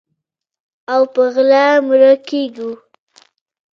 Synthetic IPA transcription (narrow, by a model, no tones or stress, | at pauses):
awpəɣlamɾakeɡu